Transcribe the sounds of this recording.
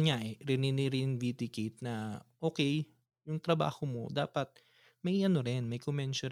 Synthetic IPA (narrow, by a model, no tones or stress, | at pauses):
ɲaʔɛɾɪniniɾɪɪnviːt̪ɪkejt̪̚nɐʔoːkɛj | jʊŋt̪ɾɐba̰ːhomo̰d̪a̰ːpɐt̪̚ | mɐjʔɐnoɾɪnmɐjkomɛnʃo